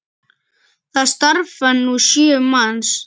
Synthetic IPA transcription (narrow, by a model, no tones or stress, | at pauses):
ðast̪aɾfanuʃiemans